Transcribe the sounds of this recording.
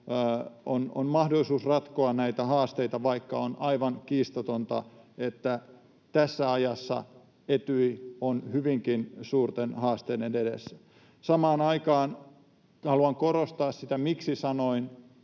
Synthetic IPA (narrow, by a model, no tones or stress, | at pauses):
ono̰nmɑhdolːˑisuːsrɑt̪koɑnnæit̪æhɑːst̪eit̪ɑʋɑikːɑonɑiʋɑŋkiːst̪ot̪ont̪ɑ̰et̪ːæ | t̪æsːæɑjɑsːɑ̰ | et̪yionhyʋiŋkinsuːrt̪enhɑːst̪eːdenedḛsːæ̥ | sɑmɑːnɑikɑːn | hɑluɑŋkoɾost̪ɑːssit̪æmiksisɑnoin